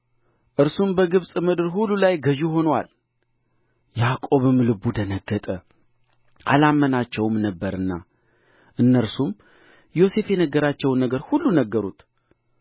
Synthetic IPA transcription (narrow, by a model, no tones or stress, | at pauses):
ʔɨɾsumbəɡɨβsʼmɨd̪ɨɾhulːulajɡəʒuho̞nwa̰l | jakʼo̞βɨmlɨbud̪ənəɡːət̪ʼə | ʔa̰lamːənat͡ʃːɛwɨmnəbːəɾɨnːa̰ | ʔɨnːəɾsum | jo̞se̞fjenəɡəɾat͡ʃːɛwnːəɡəɾhulːunəɡːəɾut̪